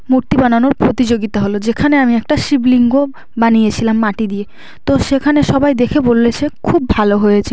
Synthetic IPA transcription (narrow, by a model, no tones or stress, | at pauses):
muɾt̪ibananoɾpɾot̪id͡ʑoɡit̪aɦolod͡ʑekʰaneamiɛk̚ʈaʃibliŋɡo | banijet͡ɕʰilamːaʈid̪ie | t̪oʃekʰaneʃɔbajd̪ekʰebolːet͡ɕʰekʰubːʱaloɦojet͡ɕʰe